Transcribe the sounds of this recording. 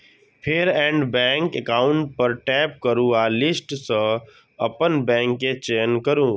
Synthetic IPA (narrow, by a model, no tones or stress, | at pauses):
pʰɪɾɛ̃ːɳɖbɛ̃ːŋkekaːʊ̃ɳʈ̚pəɾʈɛːp̚kəɾũaːlɪsʈsə̃ | əpənbɛ̃ːŋkːet͡ʃeːənkəɾũː